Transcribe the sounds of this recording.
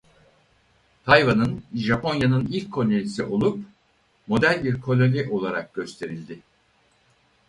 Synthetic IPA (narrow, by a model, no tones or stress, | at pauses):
t̪ʰajvanɯnʒapʰo̞njanɯnilʲcʰːo̞lʲelʲisiʔo̞lˠup | mo̞d̪ælʲbiɾkʰo̞lʲo̞nʲiʔo̞lˠaɾak̚ɟ̥ø̞st̪ʰe̞ɾilʲd̪ɪ